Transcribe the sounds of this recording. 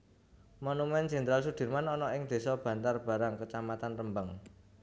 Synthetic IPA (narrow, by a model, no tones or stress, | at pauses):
monumɛnd͡ʒɛ̤nt̪ɾals̬ud̪̥i̤rmanɔnɔʔɪŋd̪̥e̤sɔb̥ä̤nt̪arb̥ä̤ɾaŋkət͡ʃamat̪anrəmbəŋ